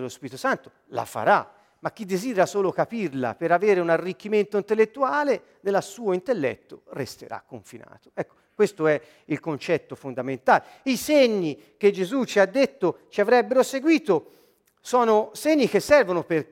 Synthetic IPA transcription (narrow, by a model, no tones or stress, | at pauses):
elospiːɾit̪osant̪o̥ | la̰fa̰ɾa | mak̟ːid̪ːezid̪eɾasoːlokapirla̰peɾaveːɾeunarːik̟ːiment̪oint̪elːet̪ːuaːle | d̪elasuːoint̪elːɛ̰t̪ːorest̪ḛɾa̰kːoɱfina̰ːt̪o̥ɛkːo̥kwest̪oɛ | ilkont͡ʃɛt̪ːofond̪ament̪aːle | iseɲːi | k̟ed͡ʒezut͡ʃiad̪ːet̪ːot͡ʃiavɾɛbːeɾoseɡwiːt̪o | sɔːnoseɲːik̟esːɛrvonoper